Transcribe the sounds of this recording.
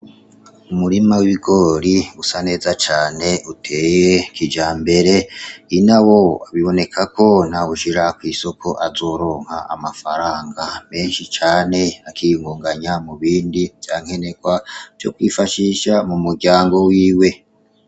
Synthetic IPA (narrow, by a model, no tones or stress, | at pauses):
umuɾimawiβiɡo̞ɾiusane̞ːzat͡ʃaːne̞utʰe̞ːjekid͡ʒaːmbe̞ɾe̞inawo̞aβiβo̞ne̞kʰakʰo̞nawuʃiɾakwiːso̞kʰo̞ʔazo̞ːɾo̞ːŋ̥ha̰amafaɾaːŋɡame̞ːnʃit͡ʃaːne̞akʰijŋɡuːŋɡaɲamuβiːndiv̥jaːŋ̥he̞nekwḁjokwiːfaʃiʃamumuɾɟaːŋɡo̞wiːwe̞